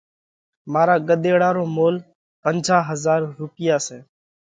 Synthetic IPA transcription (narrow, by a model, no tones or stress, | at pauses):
maːɾaːɡəɗ̪eːɽaːɾoːmoːl | pənd͡ʒʱaːɦəzaːɾɾʊpɪjaːseː